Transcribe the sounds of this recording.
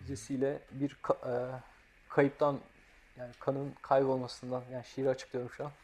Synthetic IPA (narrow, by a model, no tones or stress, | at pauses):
yzesijlʲɛbiɾkʰa | kʰajɯp̚t̪ʰan | jaːnikʰanɯnkʰajbo̞lˠmasɯnd̪anjaːniʃejiɾiat͡ʃʰɯ̥k̚lˠɯjo̞ɾmuʃan